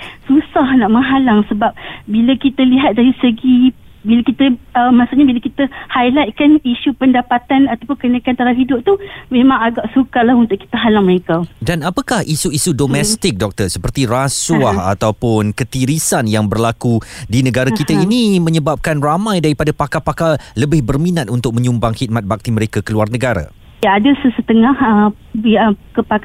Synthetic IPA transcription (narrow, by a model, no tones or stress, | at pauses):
susahnaʔməŋɦalaŋsəbap̚bilakit̪aliɦat̪̚daɾisəɡi | bilakit̪əəmasuʔɲabilakit̪ahajlajt̪̚kaniʃupəndapat̪anat̪awpʊnkənakant̪aɾaɦidʊp̚t̪umẽmãŋaɡaʔsukalahunt̪ʊʔki̥t̪aɦalaŋməɾekadanapakahisuisudomɛst̪ɪk̚dɔk̚t̪ərsəpərt̪irasuaha̰t̪awpʊnkət̪iɾisanjaŋbərlakudinəɡaɾakit̪ainimə̃ɲəbap̚kanramãjdaɾipadapakapakaləbɪhbərminat̪̚unt̪ʊk̚mə̃ɲumbaŋhit̪̚mat̪̚bak̚t̪iməɾekakəluarnəɡaɾa̰ | jaadasəsət̪əŋahə | əkəpa